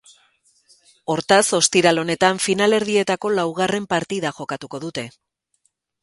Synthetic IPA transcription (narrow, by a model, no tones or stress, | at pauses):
o̞ɾt̪aso̞st̪iɾalo̞ne̞t̪aɱfinale̞ɾð̞ie̞t̪ako̞lawɣ̞are̞mpaɾt̪iðaʝo̞kat̪uko̞ðut̪e̞